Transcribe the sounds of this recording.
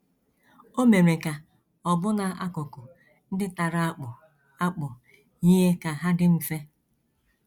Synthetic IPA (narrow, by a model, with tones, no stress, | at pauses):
o˦me˨ɾe˨ka˨ | ɔ˨bʊ˦na˨a˦kʊ˨kʊ˨ | n̩˦dɪ˦ta˨ɾa˦k͡p | a˦k͡pʊ˨ | ɲi˦ɦe˦ka˨ɦa˦dɪ˦m̩˨fe˦